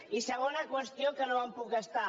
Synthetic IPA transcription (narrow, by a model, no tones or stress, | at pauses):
isəɣ̞onəkwəst̪jokənoampukəst̪a